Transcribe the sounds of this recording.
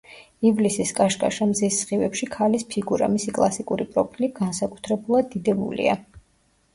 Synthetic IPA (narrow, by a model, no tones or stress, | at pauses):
ivlisiskʼaʃkʼa̰ʃamzɛsʁivɛpʃikʰalispʰiɡuɾa̰misikʼlˠasikʼuɾipʼɾɔpʰiliɡansakʼu̥t̪ʰɾɛbulˠad̪ːid̪ɛbṵlḭa̰